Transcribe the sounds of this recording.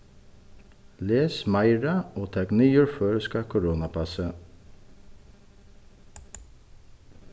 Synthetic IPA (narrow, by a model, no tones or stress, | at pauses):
leːsmɑɪɹɑoːt̪ʰɑknyːʉɹføːɹskɑkʰʊɾoːnɑpʰɑsə